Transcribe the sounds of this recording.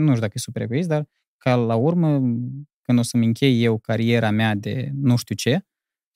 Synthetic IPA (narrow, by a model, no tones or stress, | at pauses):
nuʃt̪ʲud̪akəesupeɾekuis̬d̪ar | kalaurməkɨnd̪o̞səmɨŋkʲe̞jːe̞wkaɾije̞ɾamead̪e̞̰nuʃt̪ut͡ʃe̞